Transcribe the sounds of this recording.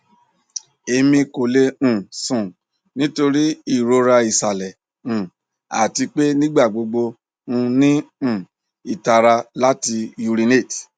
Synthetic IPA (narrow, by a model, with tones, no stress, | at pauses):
e˧mĩ˧ko˨le˧ũ˨sũ˨ | nĩ˦to˧ɾi˦i˦˨ɾo˧ɾa˧i˨sa˨lɛ˨ | ũ˨ | a̰˨ti˧k͡pe˦nĩ˦ɡ͡ba˦˨ɡ͡bo˧ɡ͡bo˧ | ũ˧nĩ˦ũ˦˨ | i˨ta˨ɾa˧la˦ti˧ju˧ɾi˧ne˦˨t